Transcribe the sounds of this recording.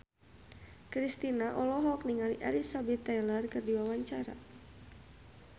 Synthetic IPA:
kɾist̪inaʔɔlɔɦɔk̚niŋalḭʔɛlisabɛt̪ːɛjlɛrkɨrdiwawaɲt͡ʃaɾa̰

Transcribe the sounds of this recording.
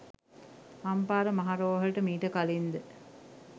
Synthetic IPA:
ɐmpaːɾəmɐɦaɾoːʋɦɐɭʈəmiːʈəkalind̪ə

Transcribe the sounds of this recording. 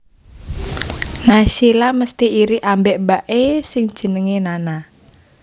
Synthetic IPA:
naʃilaməst̪iːɾiʔambɛʔbaʔesɪŋ̥ʒ̥ə̤nəŋenana

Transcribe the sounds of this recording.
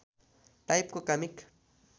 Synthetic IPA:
t̪ajp̚kʊkamɪk

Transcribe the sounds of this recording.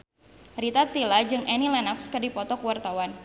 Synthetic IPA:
rit̪at̪ːilad͡ʒɨŋʔɛnilɛnakskɨrdipɔt̪ɔkuwart̪awan

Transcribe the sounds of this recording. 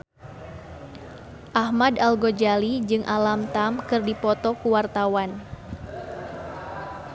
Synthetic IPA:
ʔahmadalɡod͡ʒalid͡ʒɨŋʔalamt̪amkɨrdipɔt̪ɔkuwart̪awan

